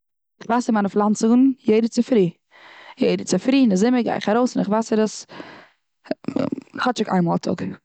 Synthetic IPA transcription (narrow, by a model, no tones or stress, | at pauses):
ɪχvaːsɪmanəflˠant͡sɪɡn̩jeɪdət͡sɪfɾiː | jeɪdət͡sɪfɾiːnɪzɪməɡa̰ɪχaɾoʊsɪnɪχvaːsəɾəs | χhɔt͡ʃɪka̰ɪnmɔːlˠtʰʊ̰k